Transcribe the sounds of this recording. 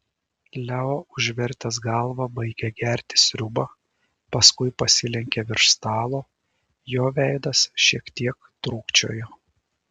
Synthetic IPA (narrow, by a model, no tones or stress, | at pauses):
lʲɛoːʊʒʲʋʲɛɾʲt̪ʲɛsɡɑlˠʋɐbɐɪɡʲɛɡʲæɾʲt̪ʲɪ̥sʲɾʲʊbɐ | pɐskʊɪpɐsʲɪlʲɛŋʲkʲeʋʲɪɾʃst̪ɑːlˠoː | joːʋʲæˑɪd̪ɐsʃʲiɛkt̪ʲiɛkt̪ɾuːkt͡ʃʲo̰ːjoː